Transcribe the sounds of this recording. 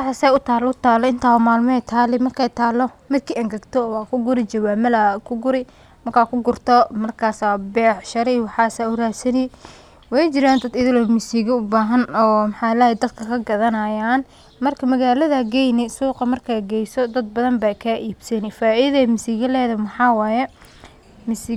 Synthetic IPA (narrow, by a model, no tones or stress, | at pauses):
wɑħasɛʊt̪ʰaːlʊt̪ʰaːlɔɪnt̪ʰaːwɐmaːlmɔɛjt̪ʰaːlɪmɐrkʰɛjt̪ʰaːlːɔmɪd̪̚kʰiʔɐŋɡɐɡt̪ʰɔwɑːkʰʊɡʊɾɪt͡ʃɐwaːmɐlakʰʊɡʊɾɪ | mɐrkʰaːkʰʊɡʊrt̪ʰɔmɐrkʰaːsabɛːʕʃɐɾɪwɑħɑːsaːʊraːsɐnɪ | wɛjt͡ʃɪɾaːnd̪ɐd̪ɪðɪlɔmɪsiːɣɪʊbaːɦɐnɔːmħɑːlajɛd̪ɐd̪̚kʰɐkʰɐɡɐðɐnɐjaːn | mɐrkʰɐmɐɣaːlɐðɐɡɛjnɪsuːqɐmɐrkʰaɡɛjsɔd̪ɐd̪̚bɐðɐmbakʰaːʔiːbsɐnɪfaːɪðɛmɪsiːɣɐlɛːðɐmɐħɑːwaːjɛ | mɪsi